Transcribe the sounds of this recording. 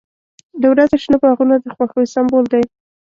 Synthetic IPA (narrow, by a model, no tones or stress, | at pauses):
d̪awɾazaʃnəbɑɣunad̪əxwaxəisambold̪aj